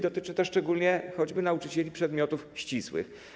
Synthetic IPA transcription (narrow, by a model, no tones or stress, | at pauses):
d̪ɔt̪ɘt͡ʂɘt̪ɛʂt͡ʂɛɡulʲɲɛxɔd͡ʑbɘnaut͡ʂɘt͡ɕɛlʲipʂɛd̪mʲjɔt̪ufɕt͡ɕiswɘ̰x